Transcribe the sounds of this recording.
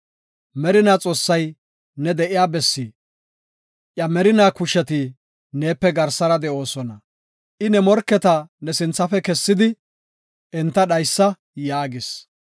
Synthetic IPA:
mɛɾɪnaːt͡sʼo̞ːsːɐj | nɛd̪ɛʔɪjaːbɛsːiː | ʔjɐmɛɾɪnaːkʊʃɛt̪ɪ | ne̞ːpːɛɡɐɾsɐɾɐd̪ɛʔo̞ːsɔnɐ | ʔɪnɛmɔɾkːɛt̪ɐnɛsɪnt͡sːɐfɛkɛsːɪd̪ɪ | ʔɛnt̪ːɐɗɐjsːɐ | jaːɡɪs

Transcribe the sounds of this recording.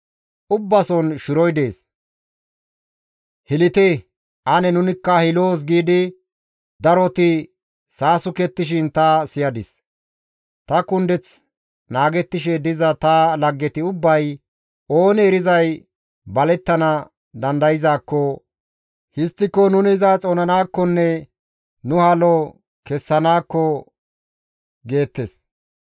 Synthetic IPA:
ʔʊbːɐsɔnʃɪɾɔjd̪e̞ːs | hɪlɪt̪ɛ | ʔɐnɛnʊnɪkːɐhɪlo̞ːs̬ɡiːd̪ɪ | d̪ɐɾɔt̪ɪ | saːsʊkɛt̪ːɪʃ̬ɪnt̪ɐsɪjɐd̪ɪs | t̪ɐkʊnd̪ɛt͡s | naːɡɛt̪ːɪʃ̬ɛd̪ɪzɐt̪ɐlɐɡːɛt̪ɪʊbːɐj | o̞ːnɛːɾɪzɐj | bɐlɛt̪ːɐnɐ | d̪ɐnd̪ɐjɪzaːkːɔ | hɪst̪ːɪkːɔnʊnɪːzat͡sʼoːnɐnaːkːɔnːɛ | nʊhaːlɔ | kɛsːɐnaːkːɔ | ɡe̞ːt̪ːes

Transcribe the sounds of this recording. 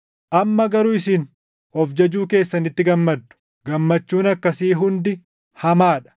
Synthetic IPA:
ʔɐmːɐɡɐɾuɪsɪn | ɔfd͡ʒɐd͡ʒuːke̞ːsːɐnɪt̪ːɪɡɐmːɐd̪ːʊ̥ | ɡɐmːɐt͡ʃːuːnɐkːɐsiːɦʊnd̪ɪ | hɐmaːᶑɐ̥

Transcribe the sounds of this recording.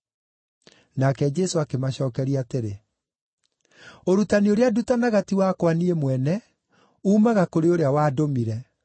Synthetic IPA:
nakɛd͡ʒɛsoakemaɕɔːkɛɾiateɾe | oɾutanioɾeadutanaɣatiwakwaniemwɛnɛ | uːmaɣakoɾeoɾeawaːdomiɾɛ

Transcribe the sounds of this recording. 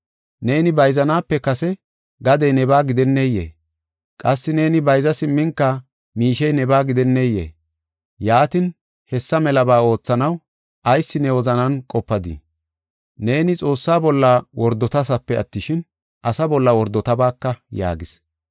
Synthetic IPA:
ne̞ːnɪbɐjzɐnaːpːɛkɐsɛ | ɡɐd̪ɛjnɛbaːɡɪd̪ɛnːejḛː | kʼɐsːɪne̞ːnɪbɐjzɐsɪmːɪŋkːɐ | miːʃɛjnɛbaːɡɪd̪ɛnːejḛː | jaːt̪ɪn | hɛsːɐmɛlɐbaːo̞ːt͡sːɐnɐw | ʔɐjsːɪnɛwɔzɐnɐnkʼɔpːɐd̪ɪ̰ | ne̞ːnɪt͡sʼo̞ːsːaːbɔlːɐwɔɾd̪ɔt̪ɐsɐpːɛɐ̰t̪ːɪʃɪn | ʔɐsɐbɔlːɐwɔɾd̪ɔt̪ɐbaːkːɐja̰ːɡɪs

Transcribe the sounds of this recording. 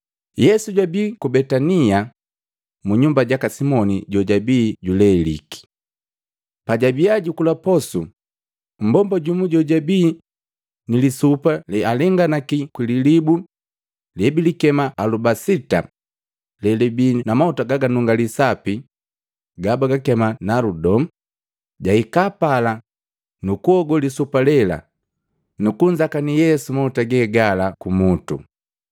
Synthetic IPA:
jɛsuɟwabiːkubɛtania | muɲumbaɟakasimɔniɟɔɟabiːɟulɛlḭki̥ | paɟabiaɟukulapɔsṵ | m̩bɔmbaɟumuɟɔɟabiː | nilisupalɛalɛŋɡanakikwililibu | lɛbilikɛmaalubasita̰ | lɛlɛbiːnamahutaɡaɡanuŋɡalisapi | ɡabaɡakɛmanaludɔm̩ | ɟaikapala | nukuɔɡɔlisupalɛla̰ | nukuɲd͡ʒakanijɛsumautaɡɛɡalakumutṵ

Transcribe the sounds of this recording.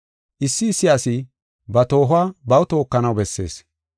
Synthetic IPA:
ʔɪsːɪːsːɪjaːsɪ | bɐt̪o̞ːɦʊaːbɐwt̪o̞ːkːɐnɐwbɛsːe̞̰ːs

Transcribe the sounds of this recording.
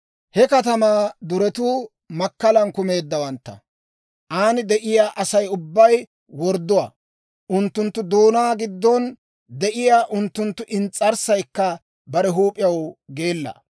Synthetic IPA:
hɛkɐt̪ɐmaːd̪ʊɾɛt̪uː | mɐkːɐlɐnkʊme̞ːd̪ːɐwɐnt̪ːɐ̰ | ʔaːnɪd̪ɛʔɪjaːʔɐsɐjʊbːɐj | wɔɾd̪ːʊwɐ̰ | ʔʊnt̪ːʊnt̪ːʊd̪oːnaːɡɪd̪ːɔn | d̪ɛʔɪjaːʔʊnt̪ːʊnt̪ːʊʔɪnt͡sʼːɐɾsɐjkːɐ | bɐɾɛɦuːpʼɪjɐwɡe̞ːlːɐ̰

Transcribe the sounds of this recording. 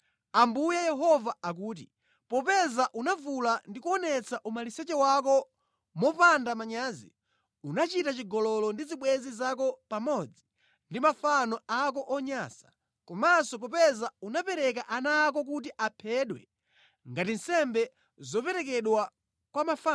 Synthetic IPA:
ambujajɛɦɔvaak̬uːt̬ḭ | pɔpɛzaʔunavulandikuɔnɛt͡saʔumalisɛt͡ʃɛwak̬ɔ | mɔpandamaɲaːzḭ | unat͡ʃitat͡ʃiɡɔlɔlɔndiziɓwɛzizak̬ɔpamɔd͡zi | ndimafanɔak̬ɔʔɔɲasḁ | kɔmasɔp̬ɔpɛzaunapɛɾɛk̬aʔanaːk̬ɔk̬ut̬iʔapʰɛɗwɛ̰ | ŋɡatin̩sɛmbɛ | zɔpɛɾɛk̬ɛɗwa | kwamafa

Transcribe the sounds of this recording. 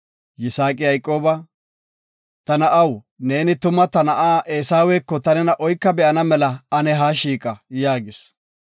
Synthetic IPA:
jɪsaːkʼɪjɐjkʼːo̞ːbɐ | t̪ɐnɐʔɐw | ne̞ːnɪt̪ʊmɐt̪ɐnɐʔaːʔeːsaːweːkːɔt̪ɐnɛnɐʔɔjkːɐbɛʔɐnɐmɛlɐɐnɛɦaːʃiːkʼɐjaːɡɪs

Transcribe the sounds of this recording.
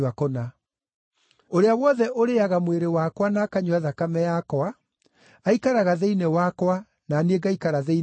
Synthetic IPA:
akɔna | oɾeawɔðɛʔoɾeaɣamweɾewakwanakaɲuaðakamɛjakwa | aikaɾaɣaðeinewakwa | naneɡaikaɾaðei

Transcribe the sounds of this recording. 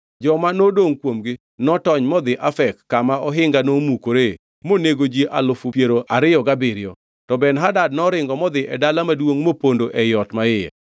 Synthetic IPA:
d͡ʒɔmanodoŋkwomɡɪ | nɔtɔɲmɔd̪ɪʔafɛkːamaɔɦɪŋɡanomukoɾe | moneɡod͡ʒiʔalʊfʊpjeɾoʔaɾɪjɔɡabɪɾɪɔ̰ | tɔbɛnɦadad̚nɔɾɪŋɡɔmɔd̪ɪʔɛdalamadwoŋmopondoʔɛjɔtmaɪɛ̰

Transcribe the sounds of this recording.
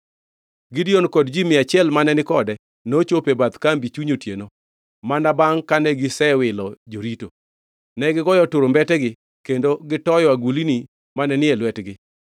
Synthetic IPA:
ɡɪdionkɔdd͡ʒimɪat͡ʃɪɛlmanɛnɪkɔdɛ | not͡ʃopebat̪kambit͡ʃuɲotjeno | manabaŋkanɛɡɪsɛwɪlɔd͡ʒoɾito | nɛɡɪɡɔjɔtʊɾombɛtɛɡɪ | kendoɡɪtɔjɔaɡulini | manɛnɪɛlwɛtɡɪ

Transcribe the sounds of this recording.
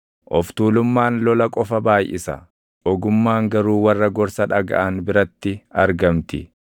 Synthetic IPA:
ʔɔft̪uːlʊmːaːnlɔlɐkʼɔfɐbaːjʔɪ̰sɐ̰ | ʔɔɡʊmːaːŋɡɐɾuːwɐrːɐɡɔɾsɐᶑɐɡɐ̰ʔɐnbɪɾɐt̪ːɪɐɾɡɐmt̪ɪ

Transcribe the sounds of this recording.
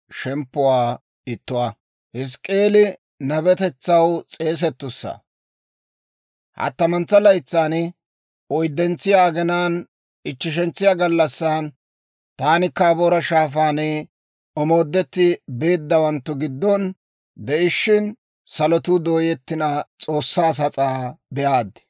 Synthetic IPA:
ʃɛmpːʊwaː | ɪt̪ːʊwa | hɪs̬kʼːe̞ːlɪ | nɐbɛt̪ɛt͡sːɐwt͡sʼe̞ːs̬ɛt̪ːʊsːɐ̰ | hɐ̰t̪ːɐmɐnt͡sːɐlɐjt͡sːaːn | ɔjd̪ːɛnt͡sːɪjaːɡɛnaːn | ɪt͡ʃːɪʃ̬ɛnt͡sːɪjaːɡɐlːɐsːaːn | t̪aːnɪkːaːboːɾɐʃaːfaːnɛ | ɔmo̞ːd̪ːɛt̪ːɪbe̞ːd̪ːɐwɐnt̪ːʊɡɪd̪ːɔn | d̪ɛʔɪʃːɪn | sɐlɔt̪ʊd̪o̞ːjɛt̪ːɪnɐt͡sʼo̞ːsːaːs̬ɐt͡sʼaːbɛʔaːd̪

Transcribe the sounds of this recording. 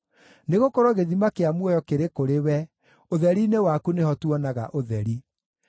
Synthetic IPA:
neɣokoɾoɣeðimakeamwɔjɔkeɾekoɾewɛ | oðɛɾinewakunehɔtwɔnaɣa̰ʔoðɛɾi

